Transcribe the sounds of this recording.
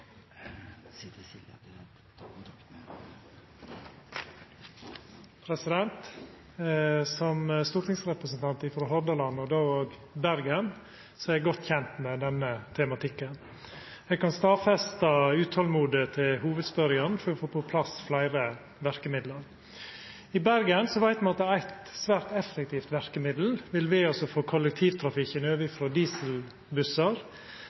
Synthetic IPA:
pʰɾɛsɪd̪ɛnt̪ | sɔməst̪uːɾʈ̪ɪŋsɾɛpɾəsnt̪ʰɑnt̪ɪfɔɾɦɔɾd̪əlɑnɔd̪oːoːɡ | bæɾɡən | sɔɛɡɔt̪ːçɛnt̪mɛd̪ɛnːət̪ʰɛmɑt̪ʰɪkːən | ɛɡkɑnst̪ɑːfɛst̪ɑʉːt̪ʰɑlmuːd̪ət̪ʰɪlhuːʋəd̪spœɾjɑnfɔɾɔfoːpɔpʰlɑsflæɪɾə | ʋæɾkəmɪd̪ləɾ | ɪbæɾɡənsɔʋæɪt̪mɑnɑt̪̚d̪ɛæɾæɪt̪sʋæːɾt̪ɛfːɛk̚t̪ʰiːft̪ʋæɾkəmɪd̪l̩ʋɪlʋɪɑsɔfoːkʰɔlɛk̚t̪ʰiːʋt̪ʰɾɑfɪkənøːʋɪfɾɔd̪iːsəl | bʉsɑɾ

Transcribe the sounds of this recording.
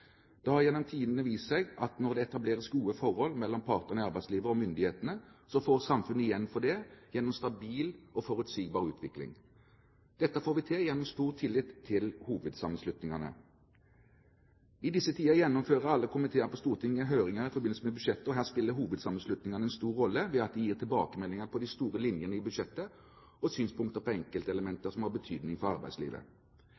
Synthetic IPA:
d̪̥ɛhɑɾjɛnːɔmt̪ʰiːd̪ən̩əʋiːsɛɡɑt̪nɔʁd̪ɛɛt̪ɑbleːʁəsɡuːəfɔʁhɔlmɛlːɔmpʰɑːʁt̪əʁnɑɾbæɪsliːʋəɔmʏnd̪ɪheːt̪ənəsɔfoːɾsɑmfʉnːəɪjɛnːfɔd̪ɖ̪ɛjɛnːɔmst̪ɑbiːlɔfɔɾʉt̪siːɡ̚bɑːʁʉ̰ːt̪ʰʋɪklɪ̰ŋ | d̪̥ɛt̪ːəfoːɾʋɪt̪ʰejɛnːɔmst̪uːʁt̪ʰɪlɪt̪ʰːɪlhuːʋəd̪sɑmənslʉt̪nɪŋɑnə̰ | ɪd̪ɪsːət̪ʰiːɑjɛnːɔmføːʁəɾɑlːəkʰʊmɪt̪ʰeːəɾpɔst̪uːʁət̪ʰɪŋːəɦœʏɾɪŋəɾɪfɔbɪnəsəmɛbʉʂɛt̪ːəɔɦæːʁspɪlːəɾɦuːʋəd̪sɑmənslʉt̪nɪŋɑnəɛnst̪uːɾɔlːəʋɛɑt̪̚d̪ɛjiːʁt̪ʰɪlbɑ̰ːkəmɛlːɪŋəpʰɔd̪ɪst̪uːɾəlɪnjənəɪbʉd̪ʂɛt̪ːə | ɔsyːnspʰʊŋkt̪əpɔɛŋkəlt̪əɛləmɛnt̪əsɔmhɑːʁbət̪ʰyːd̪nɪŋfɔɾɑɾbæɪd̪slḭːʋə̰

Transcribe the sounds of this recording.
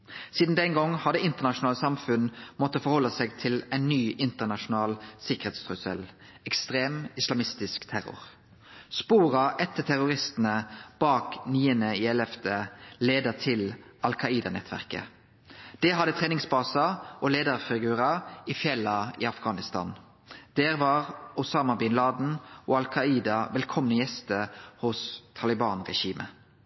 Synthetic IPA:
siːd̪n̩d̪ɛŋɡɔŋːhɑd̪əɪnt̪əʁnɑʃʊnɑːləsɑmfʉnmɔt̪ːəfɔʁhɔlːəsɛːɡt̪ʰɪlɛɪnːyːʔɪnt̪əʁnɑʃʊnɑːlsɪkəʁheːt̪st̪ʰʁʉsə̰l | ɛkst̪ʁeːmɪslɑmɪst̪ɪskt̪ʰæʁʊ̰ʁ | spuːʁɑʔɛt̪ːət̪ʰæʁʊʁɪst̪n̩əb̥ɑːkniːənəɪɛlɛfd̪eleːd̪ət̪ʰɪlɑlkʰɑiːd̪ɑnɛ̰t̪ʰʋæ̰ʁkə̰ | d̪̥ɛɦɑd̪ːət̪ʰʁeːnɪŋsbɑːsɑʔoleːd̪əʁfɪɡʉːʁɑɪfjɛlːɑḭːɑfɡɑːnɪst̪ʰɑ̰ːn | d̪̥eːɾʋɑːʁʊsɑːmɑbɪnlɑːd̪n̩ʔoːɑlkʰɑiːd̪ɑʋɛlkʰɔmnəjɛst̪əhʊst̪ʰɑlɪbɑːnʁɛʃiːmʔə̰

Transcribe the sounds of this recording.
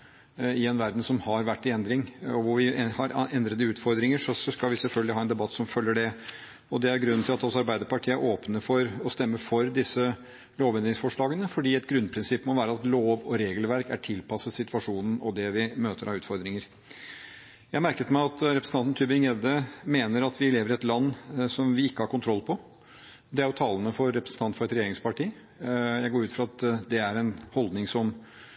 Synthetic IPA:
ɪɛnʋæɾd̪n̩sɔmhɑɾʋæʈːɪɛnd̪ɾɪŋɔʋʊɾʋɪhɑɾʔɛnd̪ɾəd̪əʉːt̪fɔɾd̪ɾɪŋəʂɔsskɑlʋɪsɛlfœlɡlɪhɑːɛnd̪ɛbɑt̪ːsɔmfœlːəɖɛ | ɔd̪ɛæɾɡɾʉnnʰɪlɑt̪ɔsɑɾbæɪd̪əɾpɑʈʰiːəæɾʔoːpnəfɔɾɔst̪ɛmːəfɔɾd̪ɪsːə | loːʋɛnd̪ɾɪŋsfɔʂɭɑːɡənəfɔɖiːɛt̪ɡɾʉnpʰɾɪnsɪpːmɔʋæːɾəɑt̪loːʋɔɾeːɡəlʋæɾkæʈʰɪlpʰɑsːəsɪt̪ʋɑʂuːnn̩ɔd̪ɛʋɪmøːt̪əɾɑʉːt̪fɔɾd̪ɾɪŋəɾ | jæɪmæɾkət̪mæɪɑt̪ɾɛpɾəsn̩ɑnt̪n̩t̪ʰʉːbɪŋɛd̪əmeːnəɾɑt̪ʋɪleːʋəɾɪɛt̪lɑnːsɔmʋɪɪkːəhɑɾkʊnt̪ʰɾɔlːpʰɔ | d̪ɛæɾjʊt̪ʰɑːlənəfɔɾːɛpɾəsn̩t̪ʰɑnt̪fɔɾɛt̪ɾɛjeːɾɪŋspɑʈiː | jæɪɡoːɾʉːt̪fɾɑt̪d̪ɛæɾɛnhɔld̪nɪŋsɔm

